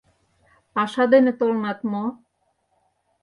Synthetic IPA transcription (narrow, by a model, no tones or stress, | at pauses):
pɑʃɑd̪enĕt̪olmɑt̪mo